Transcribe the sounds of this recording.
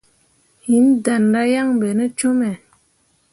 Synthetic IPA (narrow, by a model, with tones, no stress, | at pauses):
hi˨˦nda˨nda˦ja˦ŋbe˨nə˦t͡ʃo˦mɛ˨